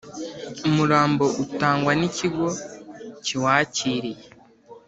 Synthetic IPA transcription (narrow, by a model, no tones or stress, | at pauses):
umuɾaːmbo̞ʔutaːŋɡwaniciɡo̞ciwaːciɾije